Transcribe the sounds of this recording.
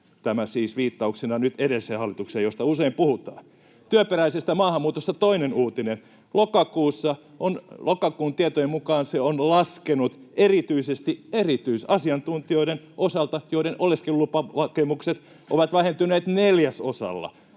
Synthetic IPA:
t̪æmæsiːsʋiːt̪ːɑuksenɑnyt̪eɾeliseːhɑlːˑit̪ukseːjjost̪ɑuseimpuhut̪ɑ̰ː | t̪yøperæisest̪æmɑːhɑmːuːt̪ost̪ɑt̪oinenuːt̪inen | lokɑkuːsːɑ | ʔonlokɑkuːnt̪iet̪ojemukɑːnseonlɑskenut̪erit̪yisest̪ierit̪yisɑsiɑnt̪unt̪ioiɾen | ʔosɑlt̪ɑjoiɾenʔolːeskelːupɑʋɑkemukset̪ | ʔo̰ʋɑt̪ʋæhent̪ynˑeːt̪neljæso̰sɑ̰lːɑ̰

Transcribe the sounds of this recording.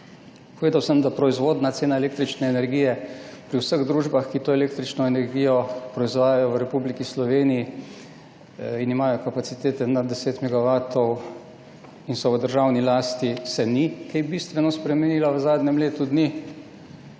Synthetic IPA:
poʋeːd̪awsəmd̪apɾɔizʋoːd̪nat̪seːnaɛleːk̚t̪ɾit͡ʃnɛːnɛɾɡiːjɛpɾiwsəɣd̪ɾuːʒbaxkit̪oːɛleːk̚t̪ɾit͡ʃnɔɛnɛɾɡijɔpɾɔizʋaːjajɔʋəɾɛpublikislɔʋeːniji | inimaːjɔkapasit̪eːt̪ɛnad̪d̪ːɛseːt̪mɛɡaʋaːt̪ɔw | insɔʋəd̪əɾʒawnilaːst̪isɛnikɛjbist̪ʋɛnɔspɾɛmɛniːlaʋəzaːd̪nʲɛmleːt̪ud̪ni

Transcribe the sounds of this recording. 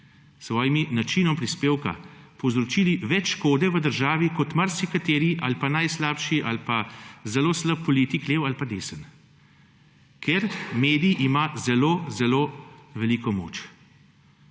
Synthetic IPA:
sʋɔːjiminat͡ʃiːnɔmpɾispeːwka̰pɔwzɾɔt͡ʃiːliʋɛt͡ʃʃkoːd̪ɛʋəd̪əɾʒaːʋikɔt̪maɾsikat̪eːɾiʔalpanajslaːpʃiʔalpazɛloːsləp̚pːɔlit̪ikleːwalpad̪eːsən | kʰeɾmeːd̪ijʔimazɛloːzɛloːʋɛliːkɔmo̰ːt͡ʃ

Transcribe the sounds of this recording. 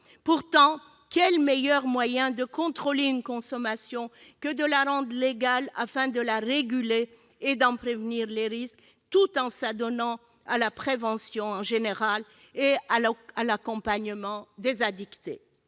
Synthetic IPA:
puʁt̪ɑ̃ | kʲɛlmejœʁmwajɛ̃d̪əkɔ̃t̪χɔleynkɔ̃sɔmasjɔ̃kəd̪əlaʁɑ̃d̪leɡala̰fɛ̃d̪əlaʁeɡʲyleː | d̪ɑ̃pχevniʁleʁisk | t̪ut̪ɑ̃sad̪ɔnɑ̃ | alapχevɑ̃sjɔ̃ɑ̃ʒeneʁal | eaalakɔ̃paɲəmɑ̃d̪ezad̪ikt̪ḛ

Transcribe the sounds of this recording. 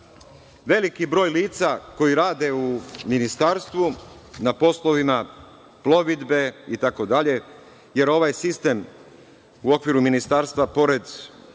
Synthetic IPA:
ʋe̞likibɾo̞ːjliːt̪sako̞jiɾaːd̪e̞uminist̪aːɾst̪ʋunapo̞slˠo̞ʋima | plo̞ʋid̪beit̪ako̞d̪aʎe̞ | je̞ɾo̞ʋajsist̪e̞m | uo̞kʋiɾuminist̪aːɾst̪ʋapo̞ɾe̞d̪

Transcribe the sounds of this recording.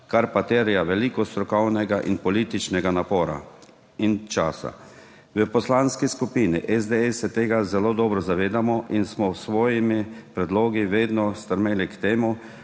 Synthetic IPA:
kaɾpat̪eːɾijaʋɛliːkɔst̪ɾɔkɔwnɛɡaʔḭnpɔliːt̪it͡ʃnɛɡanapɔːɾa̰ | int͡ʃaːsa̰ | ʋəpɔslanskiskupiːnḭʔɛzd̪eɛsɛt̪eːɡazɛloːd̪ɔːbɾɔzaʋeːd̪amɔʔinsmɔsʋɔːjimipɾɛd̪loːɡiʋeːd̪nɔst̪əɾmeːlikt̪eːmu

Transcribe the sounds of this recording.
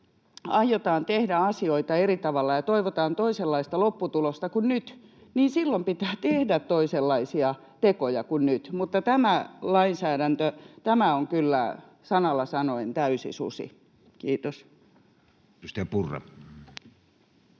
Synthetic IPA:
ɑijot̪ɑːnt̪ehdæɑsioit̪ɑerit̪ɑʋɑlːɑjɑt̪oiʋot̪ɑːnt̪oiselːɑist̪ɑlopːut̪ulost̪ɑkunnyt̪niːnsilːompit̪æːt̪ehdæt̪toiselːɑisiɑ | t̪ekojɑkunnyt̪mut̪ːɑt̪æmælɑinsæːɾænt̪øt̪æmæoŋkylːæ̰ | sɑnɑlːɑsɑnoent̪æysḭsṵsḭ | kiːt̪os | st̪epurːḛm

